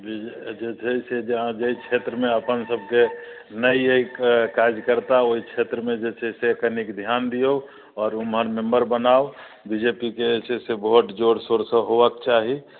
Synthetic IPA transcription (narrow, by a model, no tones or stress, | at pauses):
bid͡ʒet͡ʃʰəsed͡ʒeɦãd͡ʒəit͡ʃʰet̪ɾəmeəpənsəb̚ʱkenəieikkad͡ʒkəɾt̪aoɦit͡ʃʰet̪ɾəmed͡ʒet͡ʃʰɛsekənikd̪ʱjand̪io | ɔːɾumɦəɾmembəɾbənao | bid͡ʒepikeet͡ʃʰeseboʈd͡ʒoɽsoɾsəɦoʋəkt͡ʃaɦi